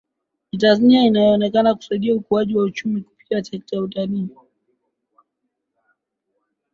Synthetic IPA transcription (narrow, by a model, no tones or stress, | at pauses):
itanzaniainajɔːnɛkanaku̥saiɗiaukuaʄiwaut͡ʃumiku̥pi̥tiasɛk̚tajautaliː